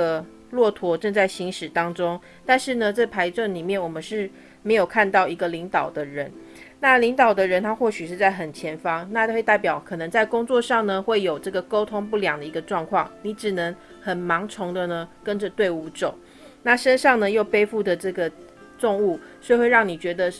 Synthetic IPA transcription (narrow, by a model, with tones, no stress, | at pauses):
ə˧ | lwɔ˥˩t̪ʰwɔ˧˥ʈ͡ʂɤ˥˧ŋt͡sa˥˩ɪɕi˧˥ŋʂɻ̩˨˩t̪ɑ˥ŋʈ͡ʂʊ˥ŋ | t̪a˥˧nʂɻ̩˥˩nə˩t͡spʰa˧˥ɪʈ͡ʂwə˥˩nli˨˩mjɛ˥˩nwɔ˨˩mə˦nʂɻ̩˥˩ | me˧˥ɪjo˨˩ʊkʰa˥˧nt̪ɑ˥˩ʊi˧˥ɡə˧˨li˧˥ŋt̪ɑ˨˩ʊd̪ə˦ɻə˧˦n | na˥˨li˧˥ŋt̪ɑ˨˩ʊd̪ə˦ɻə˧˦nt̪ʰa˥xwɔ˥˩ɕy˨˩ʂɻ̩˥˧t͡sa˥˩ɪxə˨˩nt͡ɕʰjɛ˧˥nfɑ˥ŋna˥˧t͡ɕwe˥˧ɪt̪a˥˩ɪpjɑ˨˩ʊkʰɤ˨˩nə˧˦ŋt͡sa˥˩ɪkʊ˥ŋt͡swɔ˥˧ʂɑ˥˩ŋnə˩xwe˥˩ɪjo˨˩ʊʈ͡ʂɤ˥˩ɡə˩ko˥ʊt̪ʰʊ˥ŋpu˥˩ljɑ˨˩ŋd̪ə˦˩i˧˥ɡə˧ʈ͡ʂwɑ˥˧ŋkʰwɑ˥˩ŋni˧˥˦ʈ͡ʂɻ̩˨˩nə˧˥ŋ | xə˨˩nmɑ˧˥ŋʈ͡ʂʰʊ˧˥ŋd̪ə˨nə˧kə˦˥nʈ͡ʂə˨t̪we˥˩ɪu˧˥ʈ͡ʂo˨˩˦ʊ | na˥˩ʂə˥nʂɑ˥˩ŋnə˨jo˥˩ʊpe˥ɪfu˥˩d̪ə˩ʈ͡ʂɤ˥˩ɡə˩ | t̪ʊ˥˧ŋu˥˩swe˥˧ɪxwe˥˧ɪɻɑ˥˩ŋni˨˩t͡ɕɥɛ˧˥d̪ə˧